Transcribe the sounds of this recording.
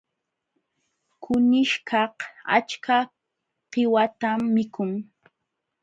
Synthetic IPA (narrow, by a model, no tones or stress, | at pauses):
kʊnɪʃkʰɑha̰t͡ʃka | ɢɪwat̪amːɪkʊŋ